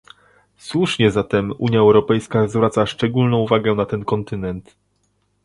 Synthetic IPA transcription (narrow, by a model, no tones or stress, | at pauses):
swuʂɲɛzat̪ɛmṵɲjaɛwɾɔpɛjskazvɾat̪saʂt͡ʂɛɡulnɔ̃w̃uvaɡɛnat̪ɛnkɔnt̪ɘnɛnt̪